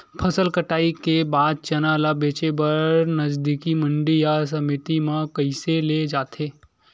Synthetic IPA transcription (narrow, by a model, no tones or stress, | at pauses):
pʰɐsəlkəʈaːikebaːd̪̚t͡ʃɐnalabeːt͡ʃebɐɾnɐd͡ʒd̪ikiməɳɖijas̬ɐmɪt̪imãkəɪseled͡ʒaːt̪ʰeː